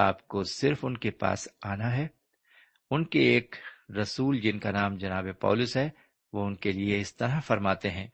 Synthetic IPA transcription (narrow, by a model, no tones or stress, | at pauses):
aːpkosɪɾfʊnkepa̰ːsaːnaɦɛː | ʊnkeeːkɾɐsuːld͡ʒɪnkanaːmd͡ʒɐnaːbepɔ̰ːlʊsɦɛ | ʋoʊnkelieɪst̪ɐɾafɐɾmaːt̪eɦɛ̃ː